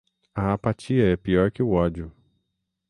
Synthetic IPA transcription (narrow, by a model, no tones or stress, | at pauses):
ɐapat͡ʃiɐɛpiɔɾkɪʊɔd͡ʒjʊ